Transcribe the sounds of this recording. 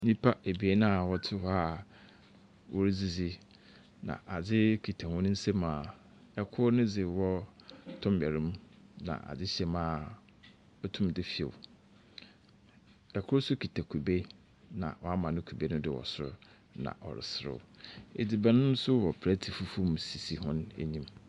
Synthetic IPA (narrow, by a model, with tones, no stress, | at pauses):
nĩ˦pʰa˦e˨bi˨e˦nã˦˨wɔ˦tʰɪ˦ha˦ | wʔɔ˦ɾɪ˦d͡zi˨d͡zi˦ | nã̰˨ʔa˨d͡zɪ˦kʰi˨tʰa˨hʊ̃˦nʊ̃˦n̩˦sɛ̃˦mãː˨ | ɛ˨kʰʊ˦ɾnʊ̃˦d͡zɪ˨wɔ˦tʰʊ̃˦mbɛ˨ɾɪ̃˦m˦nã̰˨ʔa̰˨d͡zɪ˦ɕɛ˨mãː˦ | ɔ˦tʰʊ̃˦mdɪ˦fi˦ḛ˨w | ɛ˨kʰʊ˦ɾsʊ˦kʰi˨tʰæ˨kʰu˨be˦ | nã̰˨wɔ˨a˦mã˨nʊ̃˦kʰu˨be˦nʊ̃˦dɪ˦˨wɔ̰˨sʊ˦ | nã̰˨ʔɔ̰˨ɾɪ̰˨sɪ˦ɾɪ̰˨ḛ˨di˨bæ˨nʊ̃˦n˦sʊ˦wɔ˨pʰɾæ˦tʰi˨fu˦fu˦m˨si˨si˨ɦʊ̃˦nḛ˨ɲĩ˦m